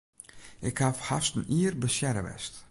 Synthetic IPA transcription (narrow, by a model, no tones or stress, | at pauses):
ɪkhafhastn̩iərbəsjɛɾə̰ʋɛ̰st